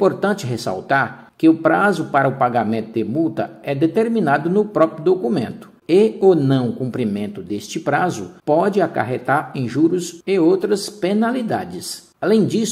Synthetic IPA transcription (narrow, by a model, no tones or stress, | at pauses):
poɾt̪ɐ̃nt͡ʃɪɦesa̰wt̪aɾ | kɪʊpɾazʊpaɾɐʊpaɡamẽnt̪ʊd̪ɪmuwt̪ɐ̰ɛd̪et̪eɾminad̪ʊnʊpɾɔpɾiʊd̪okumẽnt̪ʊ̥eonɐ̃w̃ʊkũmpɾimẽnt̪ʊd̪est͡ʃɪpɾazʊpɔd͡ʒɪaka̰ɦet̪aɾẽʒuɾʊseowt̪ɾɐspenalid̪a̰d͡ʒɪs | alẽj̃d͡ʒis